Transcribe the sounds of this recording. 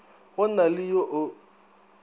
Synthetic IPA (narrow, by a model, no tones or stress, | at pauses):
ɣʊnalɪjoʔʊ